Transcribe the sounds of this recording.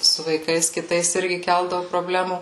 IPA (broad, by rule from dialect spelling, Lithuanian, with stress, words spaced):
sʊ ʋɐɪˈkɐɪs kʲɪˈtɐɪs ˈɪrʲɡʲɪ ˈkʲɛlˠdɐʋʊ proːˈbʲlʲæːmuː